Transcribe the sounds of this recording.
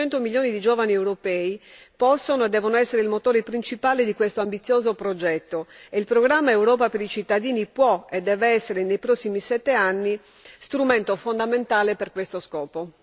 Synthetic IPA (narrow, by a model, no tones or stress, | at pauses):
ɛnt̪omiljoːnid̪id͡ʒɔːvaniewɾopɛːi | pɔsːonoed̪ɛːvonoɛsːeɾeilmot̪oːɾepɾint͡ʃipaːled̪ikwest̪oambit̪sːjoːzopɾod͡ʒɛt̪ːoeilpɾoɡɾamːaewɾɔːpapeɾit͡ʃit̪ːad̪iːnipwɔed̪ːɛːveɛsːeɾenejpɾɔsːimisɛt̪ːeanːi | st̪ɾument̪ofond̪ament̪aːleperkwest̪oskɔːpo